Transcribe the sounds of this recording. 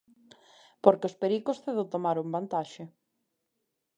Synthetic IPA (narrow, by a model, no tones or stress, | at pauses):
poɾkeospeɾikosθeðot̪omaɾombant̪aʃe